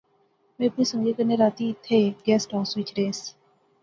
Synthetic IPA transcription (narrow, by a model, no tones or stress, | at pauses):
mepʰĩsõjekɛnedat̪it̪ʰɛɡɛsdãʊ̃nswit͡ʃɾes